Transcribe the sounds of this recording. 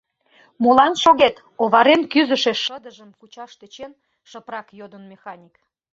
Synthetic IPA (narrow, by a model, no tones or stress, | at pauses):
molɑnʃoɣet̪ | oβɑɾenkyzəʃeʃːəd̪əʒəmkut͡ɕɑʃt̪et͡ɕen | ʃəprɑkjod̪ənmexɑnʲik